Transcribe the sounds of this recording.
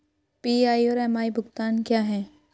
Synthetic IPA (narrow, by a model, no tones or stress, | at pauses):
piːaːioːɾɛːmaːibʱʊɡt̪aːnkjaːɦɛ̃ː